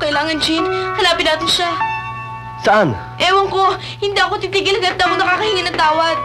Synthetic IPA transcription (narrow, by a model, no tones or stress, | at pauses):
kɐʔɪlaːŋɐnd͡ʒɪnhɐlaːpɪd̪aːt̪ɪnʃa | sɐʔan | ʔɛːwɐŋko̞ | hɪnd̪iːʔɐkot̪it̪iɡɪlɡaɐt̪̚d̪akonɐkaːkɐhiːŋɐnɐŋt̪aːwɐd̪̚